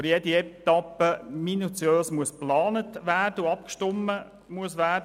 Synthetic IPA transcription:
əɾjɛdiɛt̪ɑpːəminut͡sjøːsmuəsplɑːnətʋæːrd̥əuɑpkʃtʊmːə | muəsʋæːd

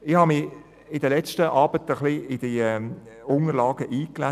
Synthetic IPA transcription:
ɪhɑmɪ | ɪdəlɛt͡ʃtəʔɑːb̥ətəχliʔɪd̥iɛʊŋəɾlɑːɡəʔiːkla

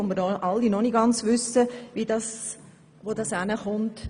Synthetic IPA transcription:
omməɾʔɑlːinɔniɡɑnt͡sʋʏsəʋidɑs | ʋodɑsænəχʊnt

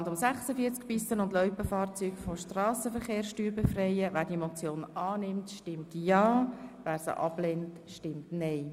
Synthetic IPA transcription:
ndʊmsæχsəfiəɾt͡skpɪsənʊndlœʏpəfɑːɾt͡syːɡfoʃtrɑːsəfəɾχeːɾsʃtyːɾbefrɛɪəvæːɾdiemɔt͡sjoːnʔɑːnɪmtʃtɪmtjɑːvæːɾsə̰ʔɑ̰blɛnt | ʃtɪmtnɛɪ

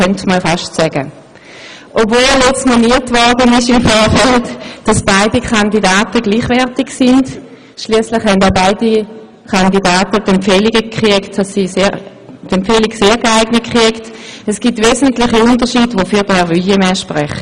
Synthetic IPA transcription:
œntməfɑʃtsɛɡ̥ə | ʔopvoːlljɛt͡stmɔniːɐtvɔʁdənɪʃɪmfɔːɐfɛltd̥ɑsb̥aɪdikʰɑndidaːtəɡliːχvɛʁtɪɡsɪnd | ʃliəslɪχhɛndabaɪdi | kʰandidaːtədɛmfɛliɡəkʁiəktd̥ɑsːiːse | tɛmpfɛliɡseːʁɡaɪɡnət̚kʁ̥iəktɛsɡ̥itveːzəntlɪχiʊndəʁʃiːdʋofyːdɛʁʋøəmɛʃpʁɛχ

